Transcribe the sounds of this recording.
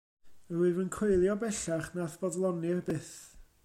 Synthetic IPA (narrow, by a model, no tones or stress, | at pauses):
əɾivənkʰrejlˠjɔbɛɬaχnaθb̥ɔdlˠɔniɛbɪθ